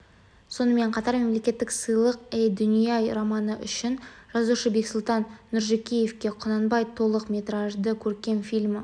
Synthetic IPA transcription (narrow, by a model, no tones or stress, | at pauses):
so̞nəme̞ɴqʰɑt̪ɑɾme̞mle̞kʲe̞t̪ːɪksəjlˠəq̚ejd̪ʏnijɑjromɑnəʔʏʃɪnʒ̥ɑzuʃəbe̞ksʊlˠt̪ɑnːʏɾʒekʲije̞fkʲe̞qʰonɑnbɑjt̪ʰo̞lˠəqmʲe̞t̪ɾɑʒd̪əkʲʰɵɾkʲe̞nfilʲmɪ